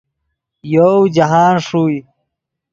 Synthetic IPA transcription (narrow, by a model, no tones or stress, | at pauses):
jowd͡ʑaɦaːnʂuːj